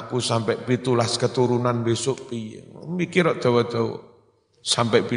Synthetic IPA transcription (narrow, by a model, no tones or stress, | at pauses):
ʔkusampɛʔpit̪ulaskət̪uɾunanmbesʊʔpimikiɾɔʔd̪̥ɔ̤wɔd̪̥ɔ̤w̰ | sampɛʔpi